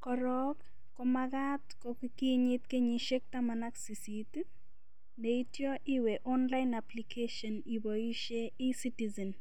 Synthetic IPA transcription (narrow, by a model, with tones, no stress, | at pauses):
kɔɾɔk | kɔmaɡa˦tkɔkiki˦ɲɪ˦t̪ke˦ɲiʃe˦k̚ta˦ma˨na˦ksi˨sit | ne˨i˦tjɔ˦ʔɪ˦we˨ʔɔ˦nla˦ɪnaplikʰeʃɔ˨ni˨bɔi˦ʃe˦ɪsi˦tizɛ˨n